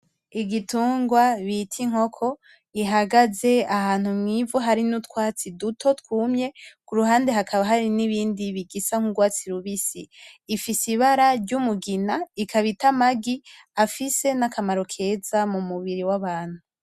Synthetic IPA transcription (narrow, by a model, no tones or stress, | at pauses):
iɡituːŋɡwaβitʰiŋ̥ho̞kʰo̞ | iɦaɡaze̞ahaːn̥humŋivuɦaɾinutkwaːt͡sidutʰo̞tkuːmɲe̞kuɾuɦaːndeɦakʰaβaɦaɾiniβiːndiβiɡisaŋ̥uɡwaːt͡siɾuβisiːfisiβaɾaɾɟumuɡinaikʰaβitamaɡi | afise̞nakʰamaɾo̞kʰe̞ːzamumuβiɾiwaβaːn̥hu